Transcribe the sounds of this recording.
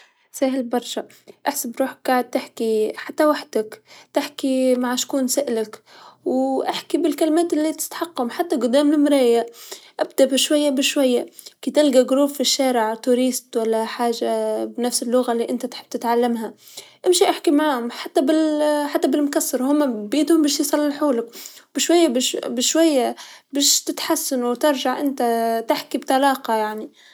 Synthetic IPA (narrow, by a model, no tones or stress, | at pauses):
saːɦɪlbɑɾˤʃa | ʔaħsabɾuːħk̚ɡaʕɪd̪̚t̪ɪħkiħat̪ːawaħd̪akt̪ɪħkimaʕʃkuːnsaʔlakwʔaħkibɪlkalɪmeːt̪ʔlːit̪ɪ̥t̪ħaqːʊmħat̪ːaɡʊd̪ːaːmlɪmɾˤɑːjɪʔʔabd̪aʔbɪʃwajːabɪʃwajːakit̪ɪlɡaɡɾuːffiʃːaːɾɪʕt̪uːɾiːst̪walːaħaːʒabnafsɪlːʊɣalːiːʔɪnt̪at̪ħɪb̚t̪ɪt̪ʕalːamɦa | ʔɪmʃiʔaħkimaʕaːhʊmħat̪ːabɪlħat̪ːabɪlmʊkɑsːɑɾˤhʊmːabiːt̪hʊmbæːʃjisˤɑlːɪlħuːlʊkbɪʃwajːabbɪʃwajːabeːʃt̪ɪt̪ħasːanuwt̪ɪɾʒaʕʔɪnt̪at̪ɪħkibt̪ˤɑlɑːqɑjaʕni